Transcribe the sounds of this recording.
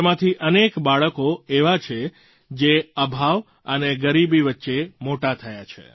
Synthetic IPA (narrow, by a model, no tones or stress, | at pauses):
mãt̪ʰiʔənekbaɭəkoeʋat͡ʃʰe | d͡ʒeəbʱaʋ | əneɡəɾibiʋətːʃemoʈat̪ʰəjat͡ʃʰḛ